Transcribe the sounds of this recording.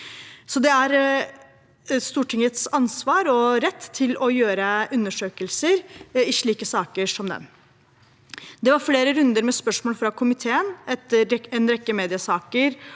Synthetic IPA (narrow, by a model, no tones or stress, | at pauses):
sɔd̪ɛæɾ | st̪uːʈʰɪŋət̪sɑnsʋɑːɾɔɾɛt̪ʰːɪlɔjøːɾəʔʉnːəʂøːkəlsəɾɪʂɭiːkəsɑːkəʂɔmd̪ɛ̰n | d̪ɛʋɑɾfleːɾəɾʉnd̪əɾmɛspœʂmoːlfɾɑkʰʊmɪt̪ʰeːənɛt̪ːəɾɛnɾɛkːəmeːd̪ɪəsɑːkəɾ